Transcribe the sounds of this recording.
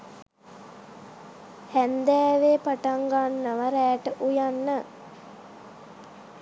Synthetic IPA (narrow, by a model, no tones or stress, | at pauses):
hænd̪æːʋeːpaʈaŋɡanːəʋaɾæːʈəʔujanːə